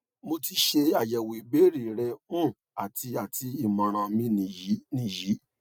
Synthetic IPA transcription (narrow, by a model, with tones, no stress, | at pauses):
mo˧ti˧ʃe˧a˨jɛ˨we˨be˦ɾi˨ɾɛ˧ũ˦˨ | a˨ti˧a˨ti˧i˨mɔ̃˨ɾ̃ã˧mĩ˧nĩ˨ji˨˦nĩ˧˨ji˨˦